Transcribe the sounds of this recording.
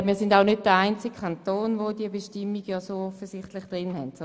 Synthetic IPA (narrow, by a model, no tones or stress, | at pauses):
miːɐsɪndaʊnød̚d̥əaɪnt͡sɪkkʰantoːnvoːdiəbeʃtɪmːiɡjɑːsoːɔfəsɪχtlɪχd̥ʁɪnhɛnts